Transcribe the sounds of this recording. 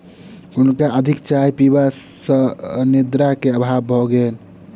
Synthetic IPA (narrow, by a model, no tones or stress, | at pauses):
unkaʔəd̪ʱikt͡ʃajpiba | səned̪ɾakeəbʱabbʱɔɡel